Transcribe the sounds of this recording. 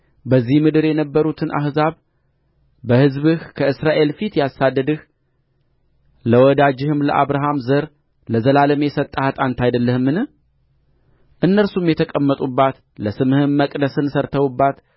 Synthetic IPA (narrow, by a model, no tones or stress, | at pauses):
bəzːihmɨd̪ɨɾjɛnəbːəɾut̪ʰɨnʔa̰hzaβ | bəhɨzβɨhkʰəɨsɾaʔe̞lfit̪jasad̪ːəd̪ɨh | ləwɔd̪ad͡ʒɪhɨmlə̰ʔaβɾaɦamzəɾ | ləzəlalɨmjɛsət̪ʼːəhat̪ʼant̪ʰajd̪əlːəhɨmːɨnɨ | ʔɨnːəɾsumjɛt̪ʰəkʼəmːət̪ʼubːat̪ | ləsɨmɨhɨmːəkʼd̪əsɨnsəɾt̪ʰəwubːat̪